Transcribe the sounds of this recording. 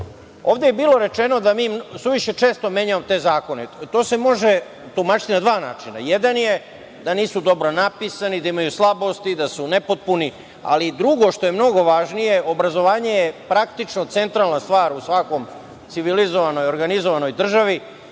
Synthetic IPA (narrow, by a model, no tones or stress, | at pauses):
o̞ːʋd̪ejebiːlˠo̞ɾe̞t͡ʃe̞no̞d̪amiːmsuʋiʃe̞t͡ʃe̞ːst̪omje̞ɲaamot̪e̞ːzaːko̞net̪o̞ːsemo̞ʒe̞ | t̪umat͡ʃi̥t̪inad̪ʋaːnaːt͡ʃina̰jed̪anje | d̪aniːsud̪o̞bɾo̞napisanid̪aimajuslˠabo̞st̪id̪asune̞po̞t̪̚puni | a̰lid̪ɾuɡo̞ʃt̪o̞jemno̞ɡo̞ʋaʒnije̞o̞bɾazo̞ʋaːɲe̞jepɾakt̪it͡ʃnot̪se̞nt̪ɾalˠnast̪ʋaːɾusʋako̞m | t̪siʋilizoʋano̞jo̞ɾɡanizoʋano̞jd̪r̩ʒaʋi